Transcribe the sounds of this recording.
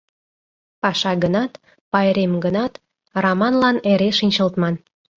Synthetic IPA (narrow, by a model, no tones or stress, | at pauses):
pɑʃɑɡənɑt̪ | pɑjɾemɡənɑt̪ | rɑmɑnlɑneɾeʃinʲt͡ɕə̆lt̪mɑn